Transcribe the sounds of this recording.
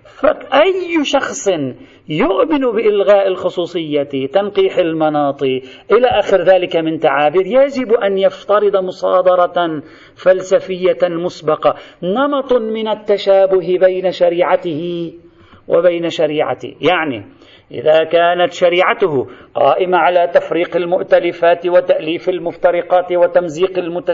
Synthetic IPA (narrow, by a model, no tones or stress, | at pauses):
faʔajʃɑxsˤn | jʊʔmɪnbɪʔɪlɣaːʔalxʊsˤuːsˤɨjːat̪anqiːħɪlmɑnɑːt̪ˤɨʔɪlaːʔaːxɪɾðaːlɪkamɪnt̪aʕaːbiːɾjad͡ʒɪbʔanjaft̪ɑɾɨd̪ˤmʊsˤɑ̰ːd̪ˤɑɾˤɑ | falsafɪjːamʊsbɑqɑnɑmɑt̪ˤmɪnat̪ːaʃaːbʊɦbajnaʃaɾiːʕat̪ɪhɪ | wʔa̰bajnaʃaɾiːʕa̰t̪ɪ̰hjaʕnḭ | ʔɪ̰ðakaːnat̪ʃaɾiːʕat̪ʊhʊqɑ̰ːʔɪmaʕalat̪afɾiːqalmʊʔt̪alɪfaːt̪wat̪aʔliːfalmʊft̪ɑɾˤɪqɑːt̪wat̪amziːqɪlmʊt̪a